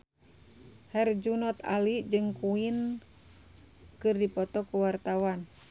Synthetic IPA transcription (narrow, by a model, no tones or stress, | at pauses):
hɛrd͡ʒunɔt̪a̰lid͡ʒɨŋkuin | kɨrdipɔt̪ɔkuwart̪awan